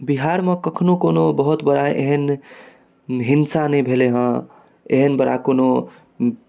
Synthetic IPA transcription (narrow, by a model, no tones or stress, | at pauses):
biɦaɾmekəkʰnokonobəɦut̪bəɾaʔḛɦən | ɦinsanebʱeleɦə̃ | ḛɦənbəɾa̰kono